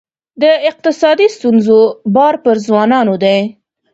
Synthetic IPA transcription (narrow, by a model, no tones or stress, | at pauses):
d̪əɪq̚t̪ɪsɑd̪ist̪unzobɑɾpəɾzwɑnɑnod̪aj